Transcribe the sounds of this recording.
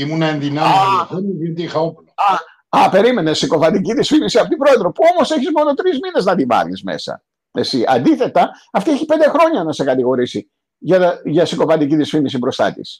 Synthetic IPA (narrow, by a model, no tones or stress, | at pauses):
imunɐenðinɐivit̪ixɐoplɐ | ɐpe̞ɾime̞nesiko̞vɐnd̪iciðisfinisiɐpot̪ibɾo̞eðɾo̞puo̞mo̞seçizmo̞no̞t̪ɾizmine̞znɐd̪ivɐ̰lḭzmḛsɐ̰ | ḛsiʔɐ̰nd̪iθe̞t̪ɐ | ɐft̪ieçipe̞nd̪e̞xɾo̞ɲɐnɐse̞kɐt̪iɣo̞ɾisi | ʝɐʝɐsiko̞vɐd̪iciðisfinisibɾo̞st̪ɐ̰t̪ḭs